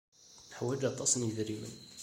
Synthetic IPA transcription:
ħwæd͡ʒɑt̪ˤɑsˤnjəðɾimə̰n

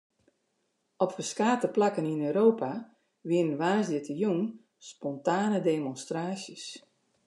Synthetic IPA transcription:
ɔpfəskaːtəplakəninøːɾoːpa | ʋɪəənʋaːsdɪtʰəjun | spɔntaːnədeːmɔnstraːsjəs

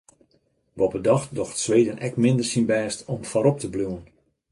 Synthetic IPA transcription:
bɔpədɔxdɔxtsʋeːdənʔɛkmɪndərsinbɛːstɔmfɔɾɔp̚təbluən

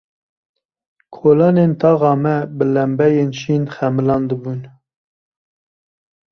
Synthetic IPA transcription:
kʰoːlɑːneːnt̪ʰɑːɣɑːmɛbəlɛmbɛjeːnʃiːnxɛmɨlɑːnd̪əbuːn

